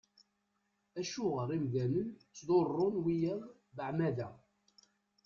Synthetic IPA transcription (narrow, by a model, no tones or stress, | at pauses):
æʃʊʁəɾˤimðæmənt͡sːðˤorˤːʊnwijæð | ðəʕmæðæ